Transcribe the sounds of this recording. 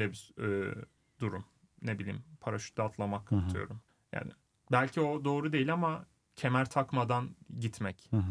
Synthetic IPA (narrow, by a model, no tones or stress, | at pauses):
lʲɛbisɛ | d̪uɾum | nebilʲḭːmpʰaɾaʃy̥t̪lʲat̪ʰlˠamakʰat̪ʰɯjo̰ɾum | ja̰ːnɪ̰ | bælʲcʰio̞d̪o̞ːɾud̪e̞jilʲama | cʰe̞mæɾt̪ʰakmad̪anɟit̪mɛc